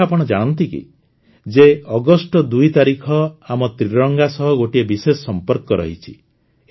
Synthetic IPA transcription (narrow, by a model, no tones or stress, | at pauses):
apɔɽ̃ɔd͡ʒaɽ̃ɔnt̪ikḭ | d͡ʒeɔɡɔsʈɔd̪ujt̪aɾikʰɔamɔt̪ɾiɾɔŋɡasɔɦɔɡoʈiebisesɔsɔmpɔɾkɔɾɔ̰ɦit͡ʃʰi̥